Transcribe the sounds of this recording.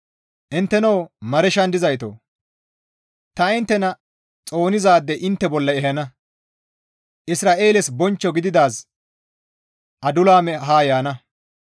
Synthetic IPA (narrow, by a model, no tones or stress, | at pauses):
ʔɪnt̪ːɛnowmɐɾɛʃɐnd̪ɪzɐjt̪o̰ː | t̪ɐɪnt̪ːɛnɐ | t͡sʼo̞ːnɪzaːd̪ːɛʔɪnt̪ːɛbɔlːɐɛɦɐnɐ | ʔɪsɾaːʔe̞ːlɛsbɔnt͡ʃːɔɡɪd̪ɪd̪aːs | ʔɐd̪ʊlaːmɛɦaːjaːnɐ